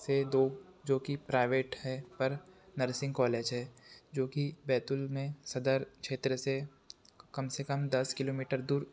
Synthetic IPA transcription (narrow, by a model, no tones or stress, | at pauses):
sed̪oːd͡ʒoːkipɾaːɪʋeːʈhɛpɐɾnəɾsɪ̃ŋɡkɔːleːd͡ʒɦɛːd͡ʒoːkibɛːt̪ʊlmẽsɐd̪əɾkʃʰeːt̪ɾəse | kɐmsekɐmd̪ɐskɪloːmiːʈəɾd̪uːɾ